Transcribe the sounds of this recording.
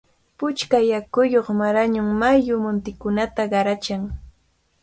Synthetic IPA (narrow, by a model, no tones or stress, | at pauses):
pʊt͡ʃkajakʊjoχmaɾaɲʊŋmajʊmʊnt̪ɪkʊnat̪aɢɑɾat͡ʃaŋ